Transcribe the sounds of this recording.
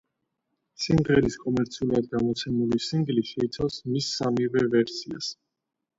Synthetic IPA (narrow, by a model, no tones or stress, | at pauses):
simʁɛɾiskʼɔmɛɾt̪sʰiulɾad̪̚ɡamɔt̪sʰɛmulisiŋɡliʃɛit̪sʰawsmisːamivɛvɛɾsia̰s